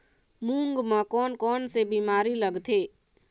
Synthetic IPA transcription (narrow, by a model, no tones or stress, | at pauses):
mũːŋɡmãkɔːnkɔːnsebiːmaːɾiləɡt̪ʰeː